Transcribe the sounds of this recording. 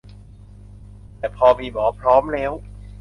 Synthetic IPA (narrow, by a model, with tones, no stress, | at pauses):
t̪ɛː˨˩pʰɔː˧miː˧bɔː˩˦pʰɾɔː˦˥mlɛː˦˥w